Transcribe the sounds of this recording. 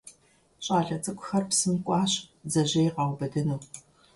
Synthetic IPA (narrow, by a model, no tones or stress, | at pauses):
ɕʼaːɮɐt͡sʼɨkʷʼʊxɐrpsɨmkʷʼɑːɕd͡zɐʑɐjɪqɑwbɐdɐnuw